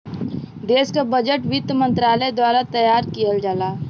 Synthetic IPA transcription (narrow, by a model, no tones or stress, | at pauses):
d̪eːskabəd͡ʒəʈʋɪt̪mə̃nt̪ɾaːləd̪waːɾat̪əjaːɾkijəld͡ʒaːlaː